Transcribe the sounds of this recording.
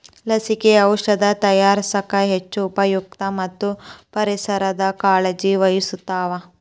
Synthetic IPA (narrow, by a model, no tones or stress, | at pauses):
lɐsikeɐwʂɐd̪ɐt̪ɐjaːɾsɐkɐɦet͡ʃːuːpɐjuk̚t̪ɐmɐt̪ːupɐɾisɐɾɐd̪ɐkaːɭed͡ʒiʋɐjisut̪ːaːʋɐ